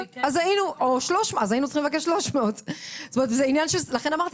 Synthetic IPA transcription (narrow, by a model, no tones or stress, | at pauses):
azainuʔoʃloʃmazainutt͡sḁχimlvakeʃːloʃmeod̪st̪omet̪zeinjanʃelaχenamaʁt̪i